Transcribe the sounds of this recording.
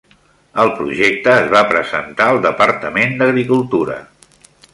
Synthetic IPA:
əlˠpɾuʒek̚t̪əːzβapɾəzə̰nt̪aəlˠd̪əpəɾt̪əmend̪əɣɾikulˠt̪uɾə̰

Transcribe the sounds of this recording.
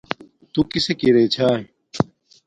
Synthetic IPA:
t̪ukisekiɾet͡ɕʰaːɦi

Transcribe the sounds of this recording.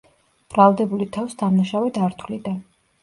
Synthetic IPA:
b̥ɾalˠd̪ɛbulit̪ʰavsd̪amnaʃavɛd̪aɾt̪ʰwlid̪an

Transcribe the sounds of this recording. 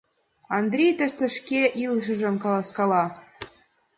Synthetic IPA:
ɑnd̪rʲejt̪əʃt̪ə̆ʃkeʔilʃ̬ə̆ʒə̆mkɑlɑskɑlɑ

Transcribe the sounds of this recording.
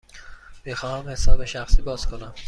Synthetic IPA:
b̥exɒːhæmhe̞sɒːbe̞ʃæxsiːbɒːz̥kʰonæm

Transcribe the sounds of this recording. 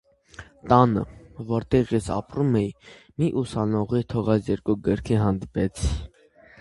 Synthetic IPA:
t̪ɑnə̰vɔɾt̪ɛʁjɛsɑ̰pɾumɛjmiʔusɑnɔʁit̪ʰɔʁɑt͡sjɛɾkuɡəɾkʰiɦɑnd̪ipɛt͡sʰ

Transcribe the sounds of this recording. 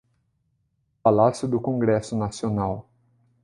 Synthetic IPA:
palasjʊd̪ʊkõŋɡɾɛsʊnasionaw

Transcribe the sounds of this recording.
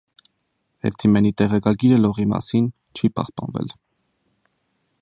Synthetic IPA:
hɛ̰vt̪ʰimɛnit̪ɛʁɛkɑɡiɾəlɔʁimɑ̰sin | t͡ʃʰipɑ̰hpɑnvɛ̰l

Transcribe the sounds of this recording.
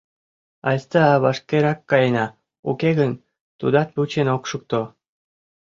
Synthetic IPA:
ɑjst̪əɑβɑʃkʲeɾɑkːɑjenɑ | ukeɣən | t̪ṵd̪ɑt̪̚put͡ɕenokʃuk̚t̪o

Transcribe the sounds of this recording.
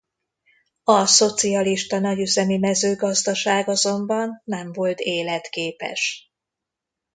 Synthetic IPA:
ɒso̞t̪siɒliʃt̪ɒnɒɟyzɛmimɛzøːɡɒzd̪ɒʃaːɡɒzo̞mbɒnːɛɱvo̞lt̪eːlɛt̪keːpɛ̰ʃ

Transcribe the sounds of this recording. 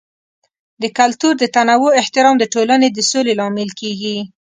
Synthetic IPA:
d̪əkalt̪uɾd̪ət̪anawoɪht̪ɪɾɑmd̪əʈolaned̪əsolelɑmɪlkeɡi

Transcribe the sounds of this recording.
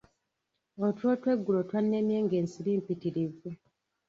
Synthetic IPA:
otwo̞ːtwe̞ɡːulotwanːemjeːŋɡe̞ːnsiɾiːmpitiɾive

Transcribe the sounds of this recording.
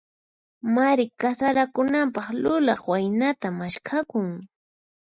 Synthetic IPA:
maɾɪkasaɾakʊnampɑχlʊlɑχwajnat̪amaʃkʰakʊŋ

